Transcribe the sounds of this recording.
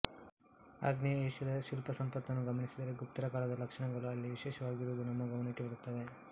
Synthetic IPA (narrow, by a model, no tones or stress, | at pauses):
a̰ːɡnijɐeːʃɐd̪ɐʃulpɐsɐmpɐt̪ːɐnːuɡɐmɐɳisid̪ɐɾeɡup̚t̪ɐɾɐkaːlɐd̪ɐlɐkʂɐɳɐɡɐɭuɐlːiʋiʃeːʃɐʋaːɡiɾuʋd̪unɐmːɐɡɐmɐɳikːibɐɽut̪ːɐʋe̞